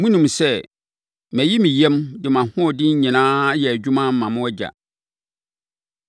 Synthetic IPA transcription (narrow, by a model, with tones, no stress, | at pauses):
mũ˦nũ˨m˨sɛ˦˨ | mæ̃˨ji˦mĩ˨jɛ˦mdɪ˨mã˨hʊ̃˦˨dɪ˦ɲ̩˦ɲĩ˨nãː˦jɛ˨æ˨d͡ʑᶣu˦mã˦m̩ː˦ã˨mʊ̃˦ɛ˦d͡ʑa̰˨